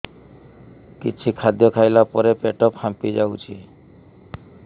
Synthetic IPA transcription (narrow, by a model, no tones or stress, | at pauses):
kit͡ʃʰikʰad̪jɔkʰajlapɔɾepeʈɔphampid͡ʒawt͡ʃʰi